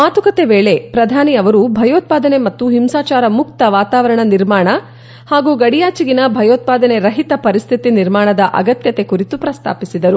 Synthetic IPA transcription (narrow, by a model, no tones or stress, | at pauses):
maːt̪ukɐt̪e̞ʋeːɭe̞pɾɐd̪ʱaːniɐʋɐɾubʱɐjoːt̪̚paːd̪ɐne̞mɐt̪ːuɦimsaːt͡ʃaːɾɐmuk̚t̪ɐʋaːt̪aːʋɐɾɐɳɐniɾmaːɳɐ | haːɡuːɡɐɽijaːt͡ʃiɡinɐbʱɐjoːt̪̚paːd̪ɐne̞ɾɐɦit̪ɐpɐɾist̪ʰit̪iniɾmaːɳɐd̪ɐʔɐ̰ɡɐt̪jɐt̪e̞kuɾit̪upɾɐst̪ʰa̰ːpisid̪ɐɾu